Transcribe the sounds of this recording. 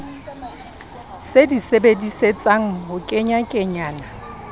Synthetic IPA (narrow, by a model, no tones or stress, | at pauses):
sedisebediset͡sʼaŋ̩ɦʊkʼɪɲakʼɪɲaːna